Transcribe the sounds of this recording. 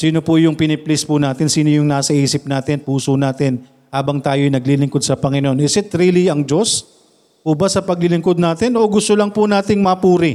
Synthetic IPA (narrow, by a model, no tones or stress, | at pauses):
siːno̞pʊjʊŋpɪnɪplɪspʊnaːt̪ɪnsiːnojʊŋnaːsɐʔiːsɪp̚naːt̪ɪnpuːsonaːt̪ɪn | haːbɐŋt̪aːjojnɐɡlilɪŋkod̪̚sɐpɐŋɪnoʔonɪsɪt̪ɾiːliɐŋd͡ʒos | ʔubɐsɐpɐɡ̚lɪlɪŋkod̪̚naːt̪ɪnʔo̞ɡʊst̪olɐŋpʊnaːt̪ɪŋmɐpuːɾɪ